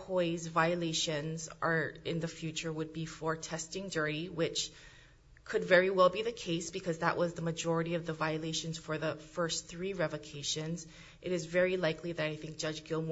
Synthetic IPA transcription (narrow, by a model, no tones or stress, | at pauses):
hɔɪzvaɪɨleɪʃɨ̃nzʔə˞ɪ̃nðɨfjʉt͡ʃə˞wəd̚bifə˞tʰɛstɪ̃ŋdɜ˞ɾiwɪt͡ʃ | kʰɨdvɛɹiwɛlˠbiðɨkʰeɪsb̥ɨkʰʌzðə̰ʔwʔʌzðəmɨd͡ʒɔɹɨɾiʌvðəvaɪɨleɪʃɨ̃nz̥fə˞ðəfɜ˞sθɹiɹɛvɨkʰeɪʃɨ̃nz | ʔɨɾɨzvɛɹilaɪkliðɨɾaɪθɪ̃ŋk̚d̥ʒ̥ʌd͡ʒɡɪlˠm